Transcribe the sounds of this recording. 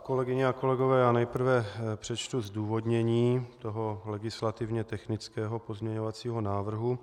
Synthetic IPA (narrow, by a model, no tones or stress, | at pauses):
ko̞lɛɡɪɲɛako̞lɛɡo̞vɛːjaːnɛjpr̩vɛpr̥ɛt͡ʃt̪uzduːvo̞d̪ɲɛɲiːt̪o̞ɦo̞lɛɡɪslat̪ɪvɲɛt̪ɛxnɪt͡skɛːɦo̞po̞zmɲɛɲo̞vat͡siːɦo̞naːvr̩ɦu